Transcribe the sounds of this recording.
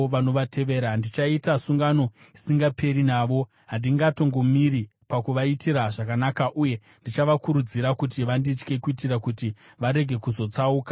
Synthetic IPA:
ʋano̞ʋate̞ʋe̞ɾandit͡ʃaitasuŋɡano̞ | isiŋɡapʰe̞ɾinaːʋo̞ | ɦandiŋɡato̞ŋɡo̞miɾi | pakuʋaitʰiɾaʐakanakaʔuje̞ | ndit͡ʃaʋakuɾud͡ziɾakutiʋandit͡ʃke̞kuitirakuti | ʋaɾe̞ɡʱe̞kuzo̞t͡sauːkḁ

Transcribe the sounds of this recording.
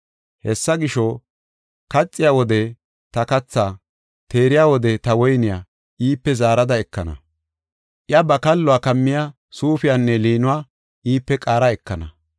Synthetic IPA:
hɛsːɐɡɪʃo | kɐt͡sʼːɪjaːwɔd̪ɛ | t̪ɐkɐt͡sːaː | t̪e̞ːɾɪjaːwɔd̪ɛt̪ɐwɔjnɪjaː | ʔiːpːɛzaːɾɐd̪ɐɛkːɐ̰nɐ̰ | ʔɪjɐbɐkɐlːʊwaːkɐmːɪja | suːfɪjanːɛliːnʊwaː | ʔiːpːɛkʼaːɾɐɛkːɐnɐ̰

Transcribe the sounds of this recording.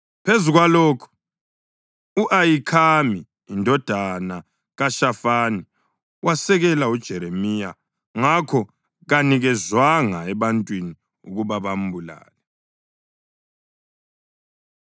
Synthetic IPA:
pʰezuɣwaloːkʰu̥ | uʔajikʰamiː | ndʱɔd̥ʱana | ɣaʃafani | wasɛɣɛlaud̥ʒ̥ʱɛɾemija | ŋakʰɔ | ɣaniɣɛzwaŋaɛβantʼwini | uɣuβaβam̩bula̰ːlɛ

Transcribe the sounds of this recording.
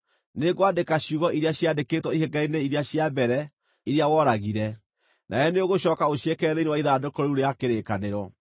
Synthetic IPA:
neɣwadekaɕuɣɔiɾjaɕjadekeːtwɔihɛɡaineiɾeaɕjabɛɾɛ | iɾeawɔɾaɣiɾɛ | nʔa̰jɛneoɣoɕɔːkaoɕjekɛðeinewaiðaːdokoɾouɾejakeɾekaneɾɔ

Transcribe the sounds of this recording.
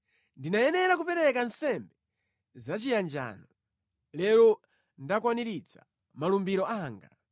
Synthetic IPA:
ndinajɛnɛɾak̬upɛɾɛkansɛmbɛ | zat͡ʃijand͡ʒa̰ːnɔ | lɛɾɔ | ndakwaniɾit͡sʰa̰ | malumbiɾɔʔaːŋɡa̰

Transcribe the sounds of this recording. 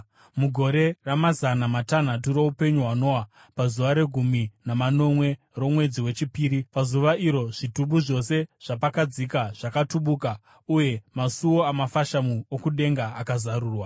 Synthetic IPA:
muɡʱo̞ɾe̞ramazanamatan̤atuɾo̞upe̞ɲuɦwano̞wa | pazuʋaɾe̞ɡʱuminamano̞mwe̞ | ro̞mwe̞d͡ziwe̞t͡ʃipiːɾipazuʋaiɾo̞ʐ̥ituɓuʐo̞se̞ʐ̥apakad͡zikaʐ̥akatuɓuka | uje̞masuwo̞amafaʃamuokuɗe̞ŋɡaːkazaɾuːrwa

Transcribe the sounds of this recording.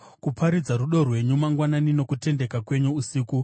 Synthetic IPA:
kupʰaɾid͡zaɾuɗo̞rwe̞ɲumaŋɡwananino̞kute̞nde̞kakwe̞ɲuːsiːku

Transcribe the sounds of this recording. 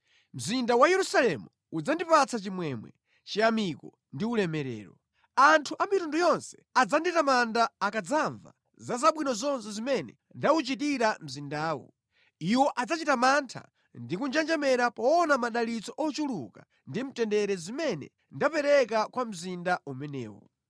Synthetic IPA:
m̩zindawajɛɾusalɛmu | ud͡zandipat͡sʰat͡ʃimwɛmwɛ̰ | t͡ʃiamikɔ̰ | ndiulɛmɛɾɛ̰ːɾɔ | antʰuʔamitundujɔnsɛ̥ad͡zanditamandaːkad͡zaɱva̰ | zazaɓwinɔzɔnsɛzimɛnɛ̰ | ndaut͡ʃitiɾam̩zindaːwɔ̰ | iwɔʔad͡zat͡ʃitamantʰa̰ | ndikund͡ʒand͡ʒamɛɾapɔɔnamaɗalit͡sɔʔɔt͡ʃuluka | ndim̩tɛndɛɾɛzimɛnɛ̰ | ndapɛɾɛkakwam̩zindaumɛnɛ̰ːwɔ̰

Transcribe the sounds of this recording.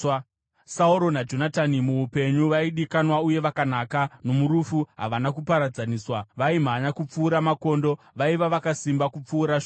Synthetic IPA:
sauɾo̞nad͡ʒo̞natanimuupe̞ɲuʋaiɗikanwauje̞ʋakanaːkano̞muɾufuɦa̰ʋanakupaɾad͡zaniːswaʋaim̤anakup͡fuːɾamako̞ndo̞ | ʋaiʋaʋakasimbakup͡fuːɾaʃo

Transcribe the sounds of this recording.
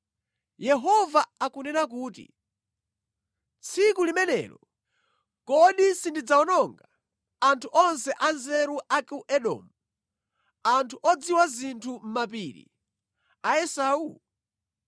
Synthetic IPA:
jɛɦɔvaakunɛnak̬uːt̬ḭ | t͡sʰikulimɛnɛ̰ːlɔ̰ | kɔɗisindid͡zaɔnɔŋɡa | antʰuʔɔns̬ɛʔanzɛɾuʔakuʔɛɗɔ̰mu | antʰuʔɔd͡ziwazintʰum̩map̬iːɾḭ | aɛsau

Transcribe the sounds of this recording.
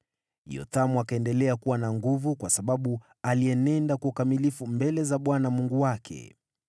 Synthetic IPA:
jɔ̰tamuakaɛndɛlɛakuwanaŋɡuvukwasaɓaɓu | aliɛnɛndakuukamilifumbɛlɛzaɓwanamuŋɡuwakʰɛ̰

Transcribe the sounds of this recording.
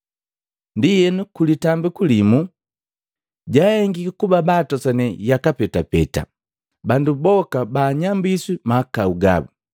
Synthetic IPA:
ndijɛnukulitambikulimu | ɟahɛŋɡikakubabaːtɔsanɛjakapɛtapɛta̰ | bandubɔkabaːɲambiswimakauɡa̰bu

